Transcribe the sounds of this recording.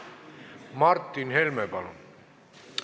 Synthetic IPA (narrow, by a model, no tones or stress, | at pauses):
mɑrt̪ːinhelmepɑlo̰n